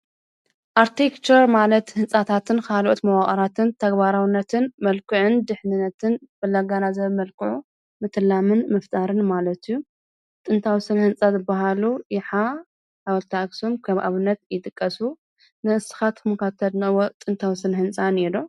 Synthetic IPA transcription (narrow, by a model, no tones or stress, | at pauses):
ʔaɾt̪ʰekt͡ʃɐɾmalɐt̪hɨnsʼat̪ʰat̪ʰɨnkʰalʔot̪mɐwaχʼɐɾat̪ʰɨnt̪ʰɐɡbaɾawnːɐt̪ʰɨnmɐlkʰɨʕɨnd̪ɨħnɨnːɐt̪ʰɨnbɐlːaɡanazɐβmɐlkʰɨʕu | mɨt̪ʰɨlːamɨnmɨft̪ʼaɾɨnmalɐt̪ijːu | t̪ʼɨnt̪ʰawisɨnhɨnt͡sʼazɨbːaɦaluʔiħa | awɐlt̪ʰaksomkʰɐβʔa̰βɨnːɐt̪jɪt̪ʼɨkʼːɐsu | nɨʔɨsɨ̥xat̪kʰɨmɨkat̪ʰɐd̪nɐwot̪ʼɨnt̪ʰawisɨnhɨnsʼanedo